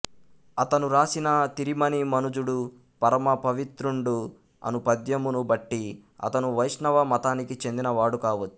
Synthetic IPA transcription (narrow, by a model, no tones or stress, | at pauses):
ɐt̪ɐnuɾaːsinɐt̪iɾimɐnimɐnud͡ʒuɽu | pɐɾɐmɐpɐʋit̪ɾuɳɖu | ɐ̰nupɐd̪jɐmunubɐʈːiɐ̰t̪ɐnuʋɐjʂnɐʋɐmɐt̪aːnikit͡ʃe̞nd̪inɐʋaːɽukaːʋɐt͡ʃːu̥